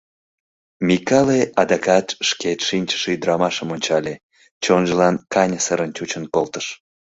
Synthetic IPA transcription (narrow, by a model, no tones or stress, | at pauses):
mʲikɑleʔɑd̪ɑkɑt̪ʃket̪ʃinʲt͡ɕə̥ʃeyd̪əɾɑmɑʃəmonʲt͡ɕɑlʲe | t͡ɕonʒəlɑnkɑnʲəsəɾənt͡ɕut͡ɕənkolt̪əʃ